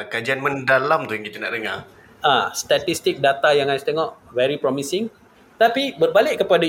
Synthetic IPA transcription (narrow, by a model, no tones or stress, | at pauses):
kad͡ʒianmə̃ndalamt̪ujaŋkit̪ana̰ʔdəŋar | ʔast̪at̪ist̪ɪk̚dat̪ajaŋajst̪eŋɔʔvɛɾipɾɔmisɪŋ | t̪apibərbalɪʔkəpada